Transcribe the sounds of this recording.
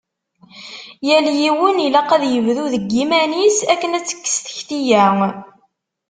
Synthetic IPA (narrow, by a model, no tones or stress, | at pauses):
jæljiwənilɑqæðjəvðuðəɡːimænisækːənæt͡sːə̥kːə̥sθə̥çθijæŋ